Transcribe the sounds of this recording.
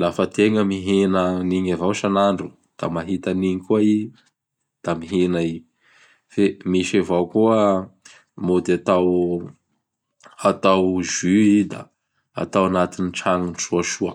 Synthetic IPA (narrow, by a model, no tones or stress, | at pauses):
lafət̪eŋəmiɦenəniɲavawʃanaɳɖ͡ʐu | d̪̥a̰maɦit̪aniɲikuai | d̪̥amiɦenai | femiʃavawkuə | mod̪eat̪aw | at̪awʒyid̪a̰ | a̰t̪awanat̪iniʈ͡ʂaŋinʈ͡ʂuaʃuə